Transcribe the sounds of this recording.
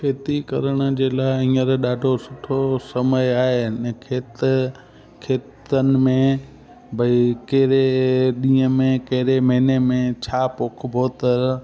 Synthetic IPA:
fʰeːt̪ikɐɾəɽ̃ʊ̆d͡ʑeːlaːɪĩːəɾɗaːɖʱosʊʈʰosɐməjaːɦenkʰeːt̪ | kʰeːt̪ənɪ̆mẽ | bʱɐikɐɦɾeɗĩːə̃mẽkɐɦɪɾemɐ̃ːnemẽt͡ɕʰaːpoːk̆ʰbʱoːt̪əɾ

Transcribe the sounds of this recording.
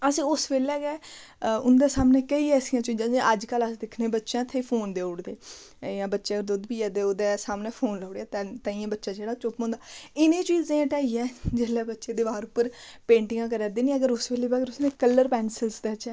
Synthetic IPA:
əsĩːʊsʋeːlɛːɡɛːʊnd̪eːsaːmneːkəiːɛsɪjãːt͡ʃʊd͡ʒãːd͡ʒeʔəd͡ʒkələsd̪ɪkʰneːbətːʃãːt̪ʰeːpʰoːnd̪eːʊɽd̪eːjãːbətːʃeːəɡəɾd̪ʊd̪biːɛːd̪eːoːd̪eːsaːmneːpʰoːnləʊɽeaːt̪ɛt̪ə̃iːãːbətːʃãːd͡ʒeːɽaːt͡ʃʊpmõːnd̪aːɪnẽːt͡ʃiːzẽːãːʈaːiːɛːd͡ʒeːlɛːbətːʃeːd̪ɪbaːɾʊpːəɾpẽːɳʈɪŋɡãːkəɾɛːd̪eːnĩːəɡəɾʊsʋeːleːbɡəɾʊsnẽːkəlːəɾpɛːnsəlsd̪eːt͡ʃɛː

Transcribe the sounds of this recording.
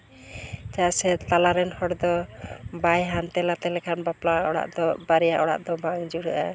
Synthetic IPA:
t͡ʃasɛt̪alaɾɛnhɔɽd̪ɔbajɦant̪ɛlat̪ɛlɛkʰanbaplaɔɽa̰ʔd̪ɔbaɾɛja̰ʔɔɽa̰ʔd̪ɔbaŋd͡ʒuɽəʔa

